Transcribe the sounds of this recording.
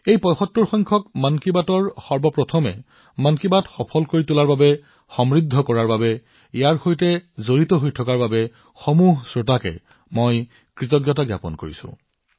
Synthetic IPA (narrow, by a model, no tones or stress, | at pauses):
ejpɔjxɔtːuɹxɔjŋkʰɔkmankibatɔɹxɔɹbɔpɹɔtʰɔmɛ̰ | mankibatxɔpʰɔlkoɹitulaɹbabɛ | xɔmɹidʱːɔkɔɹaɹbabɛ | ijaɹxojtɛzoɹitɔɦojtʰɔkaɹbabɛ | xɔmuɦsɹotakɛ̰ | moj | kɹitɔɡjɔt̬aɡja̰pɔ̰nko̰ɹḭsʊ̰̃